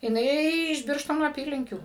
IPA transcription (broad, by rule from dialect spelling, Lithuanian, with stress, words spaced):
jɪˈnɐɪ ɪʃ ˈbʲɪrʃtoːnoː ɐˈpʲiːlʲɪŋʲkʲuː